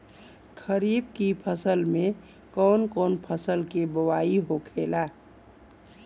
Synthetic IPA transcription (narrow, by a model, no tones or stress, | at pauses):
kʰəɾiːbkipʰəsəlmẽ | kɔːnkɔːnpʰəsəlkebəwaːiɦokʰeːlaː